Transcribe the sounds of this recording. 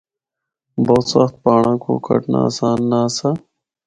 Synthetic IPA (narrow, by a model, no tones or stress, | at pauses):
boːt̪sɐxt̪̚paːɳãkʰo̰ːkʰɐ̰ʈna̰ːsaːnːaːsa